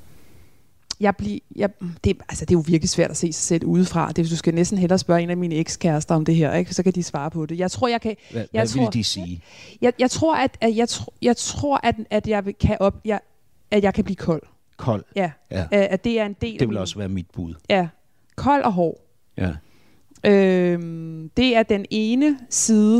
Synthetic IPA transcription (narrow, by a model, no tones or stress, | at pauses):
jɑ̈ɪb̥lijɑd̥e̝ælsəd̥e̝jo̝ʋiɐɡ̥lisʋæɐ̰d̥æse̝̰ːsɑ̈ɪsel̰uːð̞ˠfʁɑ̈d̥e̝ʋesd̥usɡ̥ænesd̥n̩ɦelɐːsb̥ɶɐe̝ːnæmiːnəeɡ̥skʰæɐsd̥ɐɒ̽md̥e̝ɦeɐ̰eɡ̥sɒ̽kʰæd̥isʋɑ̈ːpʰɒ̽d̥e̝jɑ̈ɪt͡sʰʁo̝ɐ̰jɑ̈ɪkʰæjaɪt͡sʰːd̥isiːjɑ̈ɪjɑ̈ɪt͡sʰʁo̝ɐ̰æd̥æjɑ̈ɪt͡sʰjɑ̈ɪt͡sʰʁo̝ɐ̰ʔæd̥æd̥jɑ̈ɪʋekʰæʔɒ̽b̥jɑ̥ː | jɑ̈ɪkʰæb̥liːkʰɒ̽l̰ | kʰɒl̰jææd̥e̝æɐe̝nd̥e̝̰ːldeʋelɒsʋæːɐmid̥̚b̥uðˠjæ | kʰɒ̽l̰ʔɒ̽ɦɒ̰ː | ʔømd̥e̝æɐd̥ene̝ːnəsiːðˠə